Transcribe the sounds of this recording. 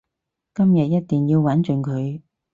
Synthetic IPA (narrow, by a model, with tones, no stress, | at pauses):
kɐ˥mjɐ˨t̚jɐ˥t̚t̪iː˨˩njiː˧wwɐ˨˥nt͡ʃɵ˨˩ŋkʰɵ˨˧˦ɥ